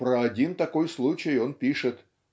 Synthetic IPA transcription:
pɾəɐdʲint̪ɐko̞jslˠut͡ɕɪjo̞npʲiʂɨt̪

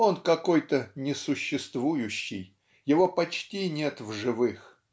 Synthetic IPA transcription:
o̞nkɐko̞jt̪ənʲɪsʊɕːɪst̪vujʉɕːɪj | jɪvo̞pɐt͡ɕtʲinʲe̞t̪vʐɨvɨx

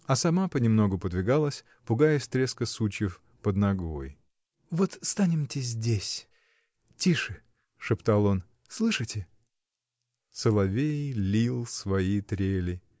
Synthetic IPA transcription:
ɐsɐmapənʲɪmno̞ɡʊpəd̪vʲɪɡalˠəsʲ | pʊɡajɪsʲt̪ɾʲeskəsut͡ɕjɪf | pəd̪nɐɡo̞̰j | vo̞t̪st̪anʲɪmtʲɪzʲdʲesʲ | tʲiʂɨ | ʂɨpt̪alˠo̞n | slˠɨʂɨtʲɪ | səlˠɐvʲejlʲilˠsvɐit̪ɾʲelʲɪ

